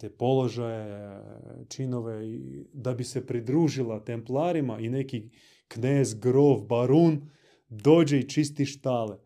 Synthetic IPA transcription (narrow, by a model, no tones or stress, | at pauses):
t̪eːpo̞lˠoʒaje | t͡ʃinoʋed̪abisepɾid̪ɾuːʒilˠat̪emplˠaːɾimaʔineki | kneːzɡɾoʋbaɾuːn | d̪oːd͡ʒeit͡ʃist̪iʃt̪ale